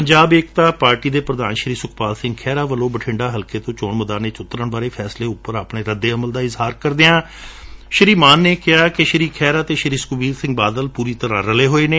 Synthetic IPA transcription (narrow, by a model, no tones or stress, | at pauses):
pəɲd͡ʒaːbeːkt̪ãːpaːɾʈiːd̪eːpɾəd̪aːnʃɾiːsʊkʰpaːlsɪ̃ŋɡkʰɛːɾaːʋəlõːbəʈʰɪ̃ɳɖaːɦəlkeːt̪õːt͡ʃoːɳməd̪aːneːt͡ʃʊt̪ːɾəɳbaːɾeːpʰɛːsleːʊpːəɾaːpɳeːɾəd̪ːeːəməld̪aːɪzɦaːɾkəɾd̪eːãː | ʃɾiːmaːnːeːkɪɦaːkɪʃəɾiːkʰɛːɾaːt̪eːʃəɾiːskʊbiːɾsɪ̃ŋɡ̚baːd̪əlpuːɾiːt̪əɾãːɾəleːɦoːeːneː